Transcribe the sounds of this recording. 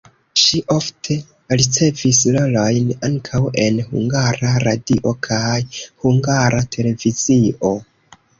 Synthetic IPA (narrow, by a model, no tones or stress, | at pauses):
ʃiʔo̞ftʰe̞ | ɾit͡se̞vislolojnaŋkʰawe̞nhṵŋɡaɾaɾadiʔo̞kʰajhuŋɡaɾatʰe̞le̞vizio